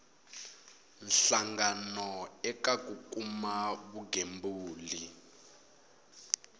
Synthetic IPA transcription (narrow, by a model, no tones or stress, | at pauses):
nɬaŋɡanɔɛkak̬ʼukʼumaβuɡʱembuːli